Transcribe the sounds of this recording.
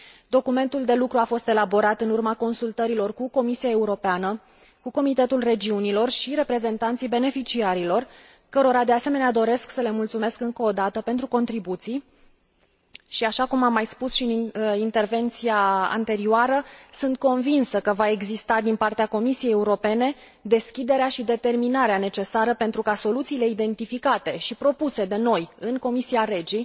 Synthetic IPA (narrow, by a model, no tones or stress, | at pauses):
d̪o̞kume̞nt̪uld̪e̞lukɾuafo̞st̪e̞labo̞ɾat̪ɨnurmako̞nsult̪əɾilo̞rkuko̞misiae̞uɾo̞peanə | kuko̞mit̪e̞t̪ulre̞d͡ʒiunilo̞rʃiɾe̞pɾe̞ze̞nt̪ant̪sijbe̞ne̞fit͡ʃiaɾilo̞r | kəɾo̞ɾad̪e̞ase̞me̞nead̪o̞ɾe̞sksəle̞mult̪sume̞skɨŋkəːd̪at̪əpe̞nt̪ɾuko̞nt̪ɾibut̪sij | ʃiaʃakumamːajspusʃiɨnint̪e̞rve̞nt̪siaa̰nt̪e̞ɾioaɾəsɨnt̪̚ko̞nvinsəkəvae̞ɡzist̪ad̪inpart̪eako̞misije̞jeuɾo̞pe̞ne̞ | d̪e̞skʲid̪e̞ɾeaʃid̪e̞t̪e̞rminaɾeane̞t͡ʃe̞saɾəpe̞nt̪ɾukaso̞lut̪siːle̞id̪e̞nt̪ifikat̪e̞ʃipɾo̞puse̞d̪e̞no̞jɨŋko̞misiaɾe̞d͡ʒi